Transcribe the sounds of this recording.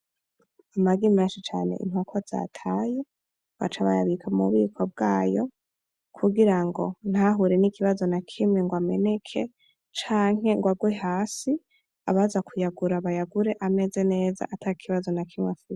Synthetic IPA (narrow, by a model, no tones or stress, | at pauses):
amaɡimeːnʃit͡ʃa̰ːne̞̰ʔḭn̥hokʰoz̥a̰tʰaːje̞ | wa̰t͡ʃaβa̰ja̰βikʰamṵβiːkʰwobɡaːjo̞̰ | kʰuɡiɾaŋɡo̞̰n̥haɦuɾenikiβazo̞nakʰimŋeŋɡwame̞ne̞kʰe̞ | t͡ʃaːŋ̥e̞ŋɡwaɡweɦaːsi | a̰βazakʰujaɡuɾaβajaɡuɾe̞ʔame̞ze̞ne̞ːza̰ʔatʰaikʰiβazo̞nakʰimwefiz